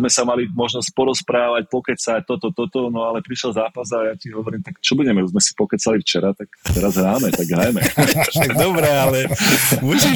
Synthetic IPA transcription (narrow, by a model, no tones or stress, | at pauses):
mɛsamalimɔʒnɔsc̚pɔɾɔspɾaːʋac̚pɔkɛt͡sac̚t̪ɔt̪ɔt̪ɔt̪ɔnɔalɛpɾiʃɛlzaːpasajaciɦɔʋɔɾiːmt̪akt͡ʃɔbuɟɛmɛuzmɛsi̥pɔkɛt͡salift͡ʃɛɾat̪akt̪ɛɾazɦɾaːmɛtt̪aɡɦɾajmɛɡd̪ɔbɾɛalɛmusi